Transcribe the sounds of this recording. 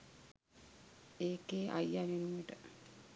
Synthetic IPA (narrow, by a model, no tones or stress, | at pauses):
eːkeːʔa̰janenuməʈə